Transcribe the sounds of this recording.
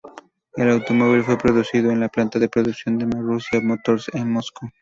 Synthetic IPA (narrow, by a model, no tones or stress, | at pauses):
elawt̪o̞moβ̞ilfwe̞pɾo̞ðusiðoenlaplant̪aðe̞pɾoðuksjo̞nd̪emorusjamot̪oɾseŋmosku